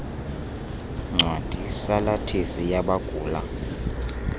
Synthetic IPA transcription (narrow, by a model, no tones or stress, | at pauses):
ŋ͡ǀʱwad̥ʱisalatʰesijaɓaɡ̥ʱuːla̰